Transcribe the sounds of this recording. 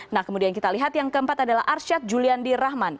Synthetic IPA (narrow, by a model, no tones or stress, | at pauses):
nahkəmudiankit̪aliɦat̪jaŋkəəmpat̪adala̰ɦʔarsat̪̚d͡ʒuliandiɾahman